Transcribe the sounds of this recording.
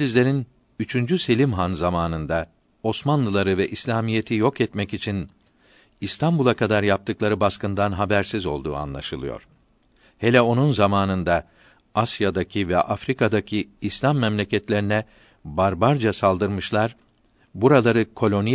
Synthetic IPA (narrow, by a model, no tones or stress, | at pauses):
lʲizʲlʲe̞ɾin | yt͡ʃʰynd͡ʒyse̞lʲimɦanzamaːnɯnd̪a | o̞smanlˠɯlˠaɾɯvɛʔislʲaːmije̞t̪ʰijo̞kɛt̪mɛcit͡ʃʰin | ist̪ʰambulˠakad̪aɾjap̚t̪ʰɯklˠaɾɯbaskɯnd̪anɦabæɾsizo̞lˠd̪ṵːa̰nlˠa̰ʃɯlˠɯjo̞̰ɾ̥ | he̞lʲɛo̞nunzamaːnɯnd̪a | asjad̪acʰivɛ̰ʔafɾikad̪acʰiislʲamːɛmlʲecɛt̪lʲe̞ɾinɛ | baɾbaɾd͡ʒasalˠd̪ɯɾmɯʃlˠaɾ | buɾalˠaɾɯkʰo̞lʲo̞ni